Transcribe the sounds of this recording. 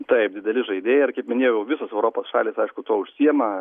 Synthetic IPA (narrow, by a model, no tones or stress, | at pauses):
t̪ɐɪp̚d̪ʲɪd̪ʲɛlʲɪʒɐɪd̪ʲeːjɛɪrkɐɪpmʲɪnʲeːjɛʊjɛʊʋʲɪsoːsɛʊɾoːpoːsʃɑ̰ːlʲiːsɐɪʃkʊt̪oːʊʃʲsʲiɛmɐ